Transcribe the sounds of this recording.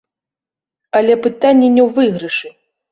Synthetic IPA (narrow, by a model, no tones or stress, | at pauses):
ɐlʲɛpɨt̪anʲːɛnʲɛwvɨɣɾɨʂɨ